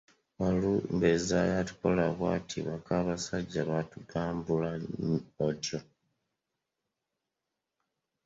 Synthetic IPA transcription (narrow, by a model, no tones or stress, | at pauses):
walumbezajatu̥kolaβwa̰tʰḭβakaːβasaɟːaβatuɡaːmbulaotjo